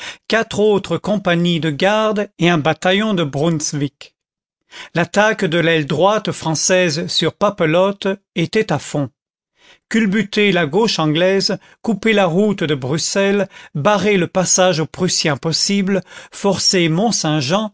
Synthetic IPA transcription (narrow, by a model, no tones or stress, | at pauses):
kat̪χot̪χəkɔ̃paɲid̪əɡaʁd̪eɛ̃bat̪ajɔ̃d̪əbʁunsvik | lat̪akd̪əlɛld̪ʁwat̪fχɑ̃sɛzsyʁpapəlɔt̪ | et̪ɛt̪afɔ̃ | kʲylbyt̪elaɡoʃɑ̃ɡlɛz | kupelaʁut̪d̪əbʁysɛlbaʁeləpasaʒopχysjɛ̃pɔsibləfɔʁsemɔ̃sɛ̃ʒɑ̃